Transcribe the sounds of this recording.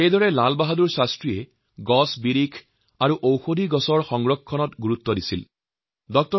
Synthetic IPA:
ejdɔɹɛlalbaɦaduɹsastɹijɛ | ɡɔsbiɾikʰ | aɹuʔowxodʱiɡɔsɔɹxɔŋɡɹɔkʰːɔnɔtɡuɹutːɔdisil | dɔk̚tɔ

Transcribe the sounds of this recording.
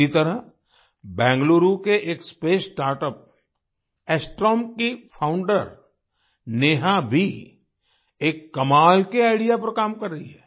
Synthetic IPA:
it̪ɐɾə | bɛ̃ːŋɡloːɾukeʔeːkspeːsʈaːɾʈəp̚ | ɛːsʈɾɔːmkipʰãːʊ̃ɳɖəɾ | neːɦãbʱi | eːkːɐmaːlkeaːɪɽijapɐɾkaːmkɐɾːəɦiɦɛː

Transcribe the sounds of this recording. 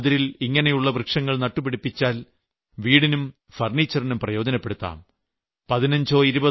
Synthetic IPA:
ðiɾiliŋːɐnejuɭːɐbrɨkʂɐŋːɐɭnɐʈːupiɽipːit͡ɕːaːl | ʋiːɽinum | fɐrnit͡ɕːɐrinumprɐjo̞ːd͡ʑɐnɐpːeɽut̪ːa̰ːm | pɐðinɐɲd͡ʑo̞ːiɾubɐ

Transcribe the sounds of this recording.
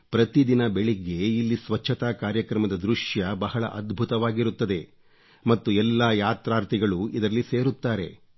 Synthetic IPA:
pɾɐt̪id̪inɐbe̞ɭiɡe̞ilːisʋɐt͡ʃʰːɐt̪aːkaːɾjɐkɾɐmɐd̪ɐd̪ɾuʂjɐbɐɦɐɭɐ̰ʔɐd̪bʱut̪ɐʋaːɡiɾut̪ːɐd̪e̞ | mɐt̪ːuɛlːaːjaːt̪ɾaːɾt̪iɡɐɭuid̪ɐɾɐlːise̞ːɾut̪ːaːɾe̞̰

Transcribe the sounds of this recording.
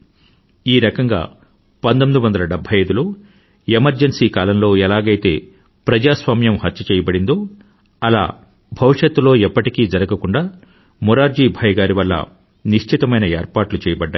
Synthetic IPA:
iːɾɐkɐŋɡa̰ː | pɐnt̪omid̪uʋɐnd̪ɐlɐɖebʱːɐjɐjd̪uloː | emɐɾd͡ʒɐnsiːkaːlɐmlo̞ːɛlaːɡɐjt̪e̞ː | pɾɐd͡ʒaːsʋaːmjɐmhɐt̪ːt͡ʃɐt͡ʃɛːjɐbɐɽind̪o̞ː | ɐla̰ː | bʱɐʋuʂɐt̪ːulo̞ːɛpːɐʈikiːd͡ʒɐɾɐɡɐkuɳɖaː | muɾaːɾd͡ʒiːbʱɐjɡaːɾiʋɐlːɐ̰ | niʂt͡ʃʰit̪ɐmɐjnɐeːɾpaːʈlut͡ʃɛːjɐbɐɖːaː

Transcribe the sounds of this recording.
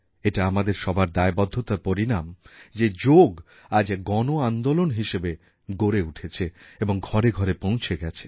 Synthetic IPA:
eʈaamad̪eɾʃɔbʱaɾd̪aebɔd̪ʱːot̪aɾpoɾinamd͡ʑed͡ʑoɡ | ad͡ʑɡɔnoand̪olonɦiʃebe | ɡoɾeuʈʰet͡ɕʰeeboŋɡʱɔɾeɡʱɔɾepõw̃t͡ɕʰeɡɛt͡ɕʰe̥

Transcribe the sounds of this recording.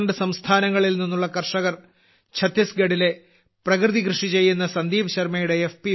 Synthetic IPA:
ɳɖɨsɐmst̪ʰaːnɐŋːɐɭilninːuɭːɐkɐrʂɐɣɐr | t͡ɕʰɐt̪ːjɐsɡeɽile̞ | prɐkrɨðikrɨʂit͡ɕe̞jːunːɐsɐnd̪iːbɐɕɐrmɐjuɽe̞efpi

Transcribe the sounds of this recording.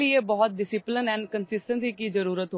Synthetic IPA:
iebɔːɔt̪̚ɖɪsɪplənɛ̃ːnɖkənsɪsʈə̃nsiːkiːzəɾuːɾət̪ɦo

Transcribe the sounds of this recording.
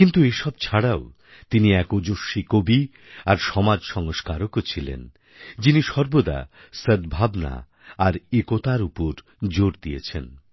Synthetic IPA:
kint̪ueʃɔb̚t͡ɕʰaɽao | t̪iniɛkod͡ʑoʃːikobi | aɾʃɔmad͡ʑʃɔŋoʃkaɾokot͡ɕʰilḛn | d͡ʑiniʃɔɾbod̪a̰ | səd̪bʱabna̰ | aɾekot̪aɾupoɾ | d͡ʑoɾd̪ijet͡ɕʰen

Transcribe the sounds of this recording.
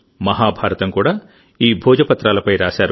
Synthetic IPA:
mɐɦaːbʱaːɾɐt̪ɐmkuːɽaː | iːbʱɔːd͡ʒɐpɐt̪ɾaːlɐpɐjɾaːsaːɾu

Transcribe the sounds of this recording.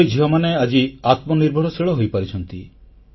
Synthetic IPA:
jd͡ʒʱiɦɔmanead͡ʒiat̪mɔniɾbʱɔɽɔsiɭɔɦojpaɾit͡ʃʰɔnt̪i

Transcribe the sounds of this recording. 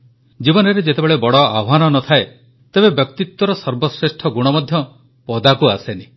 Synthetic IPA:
d͡ʒibɔnɔɾed͡ʒet̪ebeɭebɔɽɔabɦanɔnɔt̪ʰae | t̪ebebjɔkt̪it̪wɔɾɔsɔɾbɔsɾesʈʰɔɡuɽ̃ɔmɔd̪ʱjɔ | pɔd̪akuaseni

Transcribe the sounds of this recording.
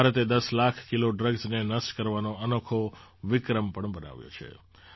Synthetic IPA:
aɾət̪ed̪əslakʰkiloɖɾəɡznenəsʈkəɾʋanoənokʰoʋɪkɾəmpəɳbəna̰ʋjo̰t͡ʃʰḛ

